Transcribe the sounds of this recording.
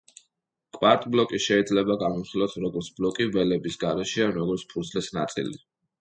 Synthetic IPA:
kʼwaɾt̪ʼblˠɔkʼiʃɛid̪zlɛbaɡamɔmχilˠat̪ʰɾɔɡɔɾt̪sʰblɔkʼivɛlɛbisɡaɾɛʃɛanɾɔɡɔɾt̪sʰpʰuɾd̪sʰlɛsnat̪sʼḭlḭ

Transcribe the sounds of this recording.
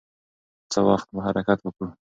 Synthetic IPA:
t͡səwɑxt̪̚bahaɾakat̪wəkɽu

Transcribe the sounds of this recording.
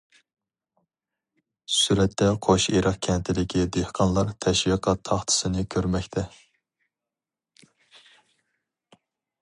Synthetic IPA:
syɾɛt̪ːɛqʰoʃeɾʔɑχkʲʰɛnt̪ʰɪlɪkʲʰid̪ehqʰɑnlˠɑɾt̪ʰɛʃwiqʰɑt̪ʰːɑχt̪ʰɨ̥sɨnɨkʲʰøɾmɛkʲt̪ʰɛ

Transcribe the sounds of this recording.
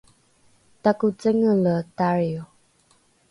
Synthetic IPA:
takut͡səŋələtaɹju

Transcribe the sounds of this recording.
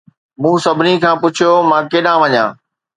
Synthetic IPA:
mũːsɐbʱɪnikʰãːpʊt͡ɕʰijomãːkeːɗãʋɐɲã̰ː

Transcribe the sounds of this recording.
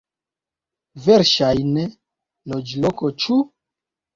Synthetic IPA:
veɾʃajne | lod͡ʒlokot͡ʃu

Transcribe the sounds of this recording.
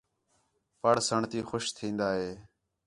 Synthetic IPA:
pəɽsəɳt̪iːxʊʃt̪ʰĩːnd̪aːɦeː

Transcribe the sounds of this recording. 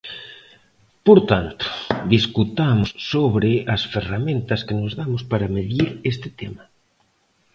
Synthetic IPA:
poɾt̪ant̪ʊ̥d̪iskut̪amʊssoβɾɪɐsferamẽnt̪ɐskenozðamʊspaɾɐmeðiɾest̪ɪt̪emɐ

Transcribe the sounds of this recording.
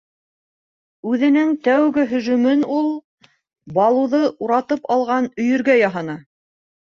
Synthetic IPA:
ʉðɘ̆nɘŋt̪æwɡɘɦɵ̆ʒʉ̆mɘnulˠ | bɑlˠɤ̆ðɤʔuɾɑt̪ɤpɑlˠʁɑnɵ̆jɵ̆ɾɡæjɑɦɑnɑ

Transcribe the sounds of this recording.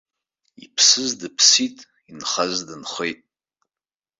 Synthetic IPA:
ḭpʰsɨzdɨpʰsitʼ | inχazdɨnχʷejtʼ

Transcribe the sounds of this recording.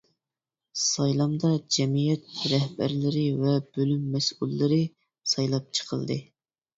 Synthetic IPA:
sɑjlˠɑmd̪ɑd͡ʒɛmijɛt̪̚ɾɛhb̥æ̰ɾlɪɾɪvɛb̥ølymːɛsulˠːɨɾɨ | sɑjlˠɑp̚t͡ʃʰə̥qʰə̰lˠd̪ɨ̰

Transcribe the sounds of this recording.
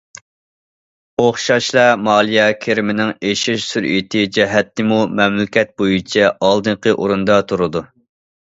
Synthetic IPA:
oχʃɑʃlˠɑmɑːlˠijɛkʲʰeɾɪmɪnɪŋeʃɪʃsyɾet̪ʰɪd͡ʒɛɦɛt̪ːɪmumɛmlɪkʲɛt̪̚bojut͡ʃʰɛʔɑlˠd̪ɨɴqʰəʔoɾund̪ɑt̪ʰuɾɨd̪u

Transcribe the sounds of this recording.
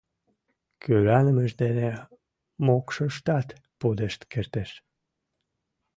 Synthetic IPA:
kʰøɾænə̆mə̆ʒd̪ene | mokʃɤʃt̪ɑt̪ | pod̪ə̆ʃt̪kəɾt̪əʃ

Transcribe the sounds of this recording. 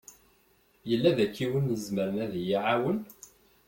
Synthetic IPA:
jəlːæðækːiwənːəzməɾənæðijiʕawən

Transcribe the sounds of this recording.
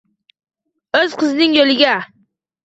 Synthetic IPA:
ɵzqʰɨznɪŋjolɪɡʲa

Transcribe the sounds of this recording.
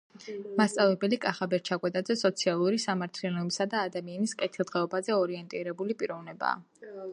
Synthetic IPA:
mast̪sʼavɛbɛlikʼaχabɛɾt͡ʃʰakʼwɛt̪ʼad̪zɛsɔt̪sʰialˠuɾisamaɾt̪ʰlialɔbisad̪aːd̪amianiskʼɛt̪ʰilˠd̪ʁɛɔbazɛɔɾiɛnt̪ʼiɾɛbulipʼiɾɔvnɛba̰ː

